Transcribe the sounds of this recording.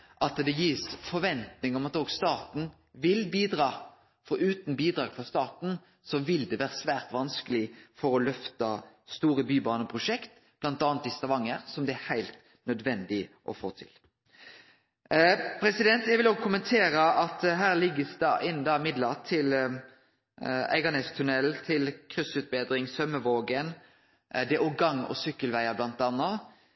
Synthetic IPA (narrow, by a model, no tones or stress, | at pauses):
ʔɑt̪d̪ɛjiːsfɔɾʋɛnt̪nɪŋɔmɑt̪oːɡst̪ɑːt̪n̩ | ʋɪlbiːd̪ɾɑː | fɔɾʉːt̪n̩biːd̪ɾɑːɡ̥fɔst̪ɑːt̪n̩ | sɔʋɪld̪ɛʋæːɾəsʋæːʁt̪ʋɑnskəlɪfɔɾɔlœft̪ɑst̪uːɾəbyːbɑːnəpʰɾʊʃɛkt̪ | b̥lɑnt̪ɑːnt̪ɪst̪ɑʋɑŋəɾsɔmd̪ɛæhæɪlt̪ | nœd̪ʋɛnd̪ɪʔɔ̰fo̰ːt̪ʰɪ̰l | pʰɾɛsɪd̪ɛnt̪jɛɡʋɪloːɡkʰʊmənt̪ʰeːɾəʔɑt̪ɦæːʁlɪɡːəsd̪ɑ̰ːʔɪnːd̪ɑːɪmɪd̪lɑʁt̪ʰɪl | æ̰ɪɡɑnɛst̪ʰʉnɛlt̪ʰɪlkʰʁʏsʉt̪̚beːd̪ɾɪŋsœməʋoːɡən | d̪ɛʔɔɡɑŋːɔ̰sʏkːəlʋæɪɑblɑnt̪ɑnːɑ